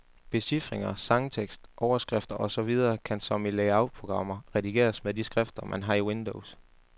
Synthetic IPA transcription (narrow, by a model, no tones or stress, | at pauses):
b̥e̝sifʁeŋɐsɑ̈ŋt͡sʰeɡ̥sd̥ʔɒʊɐsɡ̥ʁɛfd̥ɐʔɒ̽sɒ̽ʋið̞ˠɐːkʰænsɒ̽mileɪɑ̈ʊpʰʁo̝ɡ̥ʁɑ̈m̰ɐʁɛdiɡe̝̰ːɐsmeðˠdisɡ̥ʁɛfd̥ɐmʔænɦɑ̈iwend̥oʊs